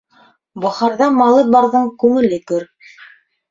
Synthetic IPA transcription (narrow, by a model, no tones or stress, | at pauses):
bɑχɑɾðɑmɑlˠɤt̪̚bɑɾðɤɴkʉŋɘ̆lɘkɵɾ